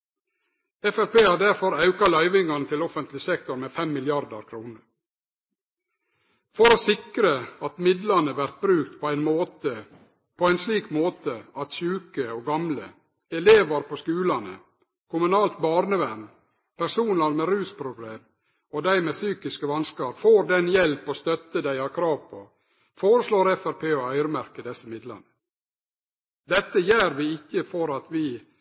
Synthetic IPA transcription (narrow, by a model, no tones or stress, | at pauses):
ɛfæɾpeːhɑːd̪æɾfɔɾɑʉkɑlœʏʋɪŋɑnət̪ʰɪlɔfənt̪lɪsɛk̚t̪ʊɾmeːfɛmːɪlɪɑɾd̪ə̰ɾkʰɾuːnəɾ | fɔɾoːsɪkɾəɑt̪mɪd̪lɑnəʋæɾt̪̚bɾʉːk̚t̪pʰoːæɪnmoːt̪ə | pʰoːæɪnsliːkmoːt̪əɑt̪ʃʉːkəoːɡɑmlə̰ | ɛleːʋɑɾpʰoːskʉːlɑnə̰ | kʰʊmʉnɑːlt̪bɑːɾnəʋæɾm | pʰæɾsuːnɑɾmeɾʉːspʰɾʊbleːm | ɔd̪æɪmeːsyːkɪskəʋɑnskɑɾfoːɾd̪ɛnjɛlpɔst̪œt̪əd̪æɪɑɾkʰɾɑːʋpʰo | foːɾəsloːɾɛfæɾpʰeːɔœʏɾəmæɾkəd̪ɛsːəmɪd̪lɑ̰nə | d̪ɛt̪ːəjæːɾʋɪɪkːəfɔɾɑt̪ʋɪː